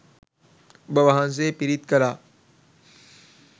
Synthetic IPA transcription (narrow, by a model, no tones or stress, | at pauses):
bɐʋaɦãns̬epiɾit̪kɐɾaː